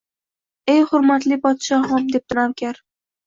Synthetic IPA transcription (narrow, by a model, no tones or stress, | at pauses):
e̞jχʊɾmat̪lɪpɒd̪ʃɒɦɒmd̪e̞p̚t̪ʰɪɾawkʲaɾ